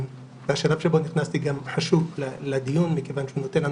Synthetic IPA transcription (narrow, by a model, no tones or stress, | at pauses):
m | veaʃalavʃebo̞niχnast̪iɡamħaʃuvleled̪ijunmike̞vanʃeuno̞t̪enlan